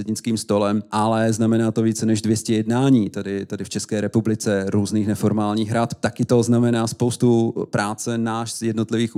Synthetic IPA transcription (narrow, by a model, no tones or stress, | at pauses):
ɛdɲɪt͡skiːmst̪o̞lɛmʔalɛznamɛnaːt̪oviːt͡sɛnɛʒdvjɛscɛjɛdnaːɲiːt̪adɪt̪adɪft͡ʃɛskɛːɾɛpublɪt͡sɛɾuːzniːxnɛfo̞ɾmaːlɲiːɣɦɾat̪t̪akɪt̪oznamɛnaːspowst̪upɾaːt͡sɛnaːʃz̥jɛdnot̪lɪviːx